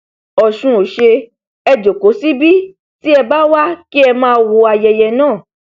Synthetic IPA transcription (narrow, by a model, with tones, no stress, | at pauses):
ɔ˨ʃũ˨˧o˨ʃe˧ | ɛ˧d͡ʒo˨ko˨˦si˦bi˦ | ti˦ɛ˧ba˦wa˦ki˦ɛ˧mãː˦wo˧a˧jɛ˧jɛ˧nãː˦˨